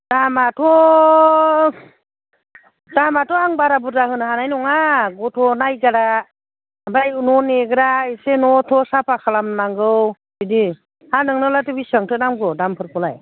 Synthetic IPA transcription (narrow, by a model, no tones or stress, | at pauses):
d̥amatʰɔ | damatʰɔaŋbaɾabutahɯnaɦanajnɔŋaɡɔtʰɔnajɡaɾa | bajunɔneɡɾaisenɔtʰɔsapʰakʰalamnaŋɡɯw | sidi | hanɯŋnɯlatɯbisəŋtʰɯnamɡɔdampʰɯɾpʰɔlaj